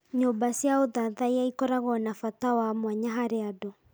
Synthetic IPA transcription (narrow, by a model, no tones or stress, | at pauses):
ɲombasjaoðaðaiaikɔɾaɣɔnafatawamwaɲaɦaɾeadɔ